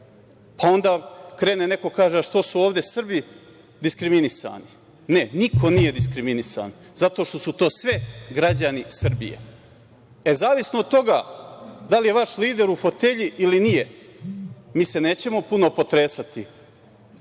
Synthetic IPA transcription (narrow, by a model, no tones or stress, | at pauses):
pao̞nd̪aːkɾeːnene̞ko̞kaːʒeʃt̪o̞suoːʋd̪e̞sr̩bi | d̪iskɾiminisa̰ːni | ne̞nikʰo̞nije̞d̪is̬kɾiminisa̰n | zat̪o̞ːʃt̪o̞sut̪o̞ːsʋeɡɾad͡ʑanisr̩bḭjḛ | ezaːʋisnood̪̚t̪o̞ɡaːd̪alije̞ʋaʃliːd̪e̞ɾufo̞t̪e̞ʎiʔilinije | miːse̞ne̞ːt͡ɕe̞mo̞puno̞po̞t̪ɾe̞ːsat̪i